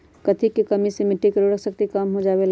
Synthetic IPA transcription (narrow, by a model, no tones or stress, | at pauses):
kɐt̪ʰikekɐmisemɪʈːikəɾoɾəkʰsəkt̪ikamɦod͡ʒaːʋel